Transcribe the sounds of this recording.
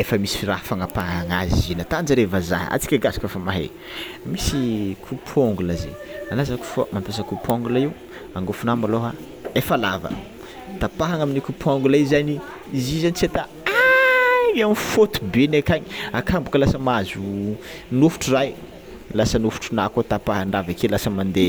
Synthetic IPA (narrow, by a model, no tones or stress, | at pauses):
efəmisi̥fiɾafaŋapaaŋa̰zḭzinat̪and͡ʒəɾevaza̰ɦa̰t͡si̥kʲaɡazḁkəfamaɦḛ | misikʰupʰoŋɡulazḛalazaku̥fə̰mampesakupoŋɡulaiw | aŋɡofunamaloɦa | efalavə̰ | t̪apaɦaŋaminikupʰuaŋɡulaizani | izizanit͡set̪a | a | iamifot̪u̥benakaɲiakʰambukəlasəmazu | nufu̥ʈ͡ʂiraj | lasənufu̥ʈ͡ʂunakot̪apaɦaɳɖ͡ʐavekelasəmand̪e